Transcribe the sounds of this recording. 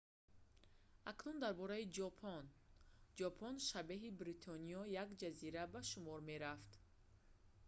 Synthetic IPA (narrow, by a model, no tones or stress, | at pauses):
aknund̪aɾbɔɾaid͡ʒɔpʰɔnd͡ʒɔpʰɔnʃabeɦibɾit̪ʰɔnijɔjaɡd͡ʒaziɾabaʃumɔɾme̞ɾaft̪